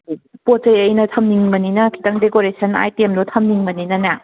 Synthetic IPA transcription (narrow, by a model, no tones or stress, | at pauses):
pot͡ʃɐjɐjnɐtʰɐmniŋmɐninɐkʰi̥taŋdekoɾesʰɐna̰jtiemnotʰɐmniŋmɐninɐna